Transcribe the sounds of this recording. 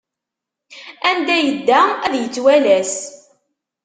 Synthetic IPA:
ænd̪æjəd̪ːææðjət͡sːwælæs

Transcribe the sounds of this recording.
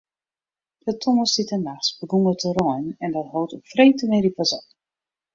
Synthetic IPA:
dətʰɔŋəstitənaxsbəɡuŋətʰəɾɔjnɛndɔtɦɔwtokfreːtəmɪɾipazɔ

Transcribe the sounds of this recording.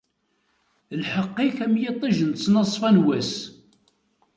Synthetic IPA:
lħəqːiçæmjɪt̪ˤːiʒənt͡sːnɑsˤfænwæs

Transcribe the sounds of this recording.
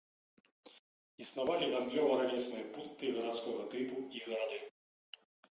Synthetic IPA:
isnavalʲiɣɐnɡ̪lʲɔwɾalʲijsnɔjpunt̪ːɨɣɐɾat̪sʲkɔɣɐt̪ɪpuiɣɐɾad̪ɨ

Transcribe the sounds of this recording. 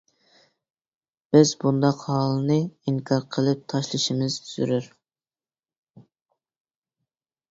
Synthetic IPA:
b̥ɪzbund̪ɑqhɑlˠɨnɨiŋkʰɑɾqʰəlˠɨp̚t̪ʰɑʃlˠɨʃimɪz̥t̪ʰyz̥y̰ɾyɾ

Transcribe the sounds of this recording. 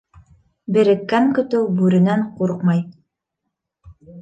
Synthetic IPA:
bɘ̆ɾɘ̆kːæŋkɵ̆t̪ɘwbʉɾɘ̆næɴquɾqmɑj

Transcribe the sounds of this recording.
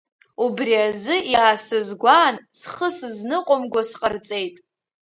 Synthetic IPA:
ubriazɨʔiːsɨzɡʷaːnsχəsɨznɨqʷʼomɡʷasqʼərt͡sʼe̞jtʼ

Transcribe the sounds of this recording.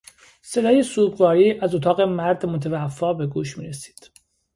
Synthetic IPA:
se̞d̪ɒːjesuːɡvɒːɾiːʔæzot̪ʰɒːɣe̞mæɾd̪mot̪ʰevæfːɒːbe̞ɡuːʃmḭːɾesi̥ːd̪̥

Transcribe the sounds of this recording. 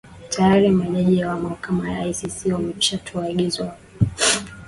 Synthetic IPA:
tʰajaɾimaɛnɛʄijawamahakamajaajsisiwamɛi̥ʃatʰuaɠizwa

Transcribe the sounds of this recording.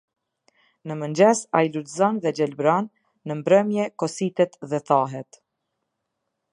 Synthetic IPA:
nəmənd͡ʒɛsajlud̪zanðɛd͡ʒɛlbɾanː | əmbɾəmjɛkɔsit̪ɛt̪ðɛθaɦɛt̪

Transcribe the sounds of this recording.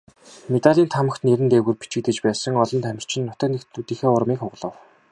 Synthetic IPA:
met̪aɮʲiːnt̪ʰamə̆xt̪neɾɘ̆nt̪eːɣɘ̆rpi̥t͡ɕɪ̆t̪ɘ̆t͡ɕpæːsə̆ŋɔɮɞ̆nt̪ʰæmʲɪ̆r̥t͡ɕʰɪ̆nːʊt̪ə̆knekt̪ut̪iːxeːʊrmiːkχʊʁɮə̆w

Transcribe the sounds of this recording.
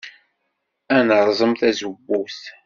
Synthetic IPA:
ænəɾˤzˤəmθæzəbːuθ

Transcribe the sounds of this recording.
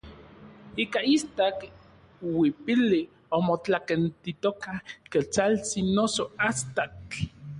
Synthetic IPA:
iːkaist̪ak | wipili | omot͡ɬakent̪it̪okahket͡salt͡sinosoast̪at͡ɬ

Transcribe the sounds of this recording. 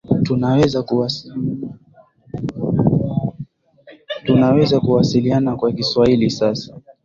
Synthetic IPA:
tunawɛzak | tunawɛzakuwasilianakwakiswailisasḁ

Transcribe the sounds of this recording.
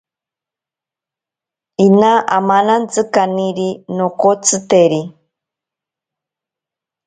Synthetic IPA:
inaʔamanant͡sɨkaniɾinokot͡sʰɨt̪eɾi

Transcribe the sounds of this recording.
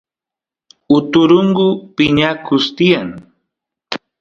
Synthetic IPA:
ʊt̪ʊɾʊŋɢʊpɪɲakʊst̪ɪjaŋ

